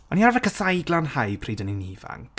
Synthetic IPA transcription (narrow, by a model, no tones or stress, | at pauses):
ɔniarvɛkəsajɡlˠanhajpʰriːdəniniːva̰ŋk